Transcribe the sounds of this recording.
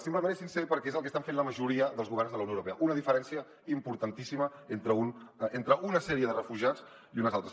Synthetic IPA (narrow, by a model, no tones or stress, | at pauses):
simpləmẽnesinsepəɾkɛezəlˠkəst̪aɱfenləməʒuɾiəðəlˠzɣuβɛrnzðəlɐwnijowɾupeəʔunəðifəɾɛnsiə | impuɾt̪ənt̪isiməent̪ɾəunent̪ɾəʔunəsɛɾiəðərəfuʒiad͡z | iunəzalˠt̪ɾə̥s